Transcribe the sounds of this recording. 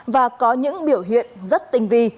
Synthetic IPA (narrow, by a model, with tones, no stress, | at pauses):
vaː˨˩kɔ˨˦ɲɨ̰˧˥ŋɓi˧˩əwɦḭ˧˨ənzə˦˥t̚t̪ï˧ŋ̟vi˧